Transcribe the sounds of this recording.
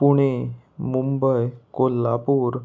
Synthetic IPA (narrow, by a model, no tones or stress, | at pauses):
puɽ̃e | mumbəjkolːa̰puːɾ